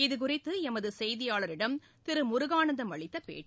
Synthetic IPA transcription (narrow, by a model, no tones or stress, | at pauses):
ɪðɯk̬ʊrɪt̪ːɯɛmɐðɯsɛjðɪjaːɭɐɾɪɽɐm | t̪ɪɾɯmʊɾʊɣaːɳɐnd̪ɐmʋɐɭɪt̪ːɐpḛːʈː